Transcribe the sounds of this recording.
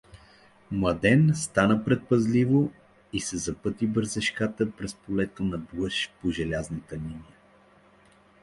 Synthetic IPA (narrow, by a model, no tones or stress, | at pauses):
mlˠɐd̪ɛnst̪anəpɾɛt̪̚pɐzlivo | isɛzɐpɤt̪ibɤɾzɛʃkat̪əpɾɛspolɛt̪onɐblˠəʃpoʒɛlʲaznət̪əminijə